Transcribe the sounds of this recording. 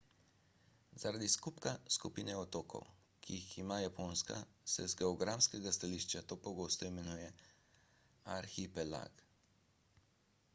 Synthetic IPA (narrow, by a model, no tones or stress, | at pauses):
zaɾad̪iskupkaskupiːnɛɔt̪oːkʰɔ̰w | kʰiiximaːjapoːnska̰sɛ̰zɡɛɔɡɾamskɛɡast̪aliːʃt͡ʃjat̪oːpɔɡoːst̪ɔimɛnuːjɛ | aɾxipɛla̰ɡ